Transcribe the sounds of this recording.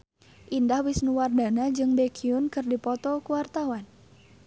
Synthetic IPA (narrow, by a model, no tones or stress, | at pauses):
ʔindahwɪsnuwardanad͡ʒɨŋbekʰiʊnkɨrdipɔt̪ɔkuwart̪awan